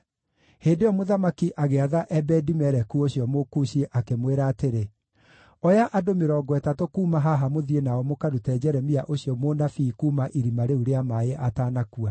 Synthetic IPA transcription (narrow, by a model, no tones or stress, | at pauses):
heːndeɔmoðamakiʔaɣeaðaʔɛbɛdimɛɾɛkuoɕiɔmokuɕieʔakemweɾaːteɾe | ɔjaʔadomeɾɔːɡwɛtatokuːmaɦaɦamoðienaɔmokadotɛd͡ʑɛɾɛmiaʔoɕiɔmonafiːkuːmaʔiɾimaɾeuɾeamaeʔataːnakua